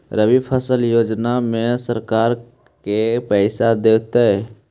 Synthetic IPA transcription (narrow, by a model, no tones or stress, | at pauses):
ɾəbipʰəsəljoːd͡ʒnamẽsəɾkaːɾ | kepɛɪsad̪eːt̪eɦɛ